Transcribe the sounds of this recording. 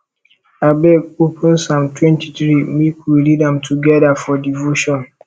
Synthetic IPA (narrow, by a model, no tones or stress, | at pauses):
abɛopə̃nsãmtʰwɛ̃ntiθɹimikwilidãmtʰuɡɛdafɔdivoʃɔ̃n